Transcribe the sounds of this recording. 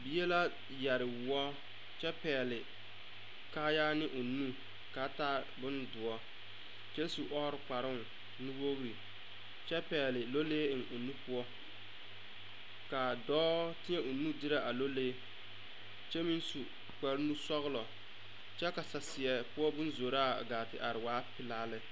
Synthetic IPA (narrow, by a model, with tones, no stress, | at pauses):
bi˨˦e˦la˦ | ja˨ɾɪ˨wɔ˦ | t͡ʃɛ˦pɛː˨lɪ˨ | kaː˦jaː˦nɪ˦ʔʊ˨nu˦ | ka˨˦ta˦ | bʊ˦ndʊ˨ɔ˦ | t͡ʃɛ˦su˨ʔɔ˦ɾɪ˨k͡pa˨ɾɪ˦ŋ˨ | nu˦wo˦ɣɾi˨ | t͡ʃɛ˦pɛː˨lɪ˨lo˦leː˦ɪ˨ŋʊ˨nu˦pʊ˦ɔ˦ | ka˨dɔː˦tɪ˦ɲɛ˦ʔʊ˨nu˦dɪ˦ɾa˦ʔa˨lo˦leː˦ | t͡ʃɛ˦mi˦nsu˨ | k͡pɛ˨ɾɪ˦nu˦sɔ˦ɣlɔ˨ | t͡ʃɛ˦ka˨sa˨sɪ˨ɛ˨pʊ˦ɔ˦bʊ˦n˦zo˨ɾa˦˨ɡaː˨tɪ˨ʔa˨ɾɪ˨waː˦pɪ˦laː˦lɪ˦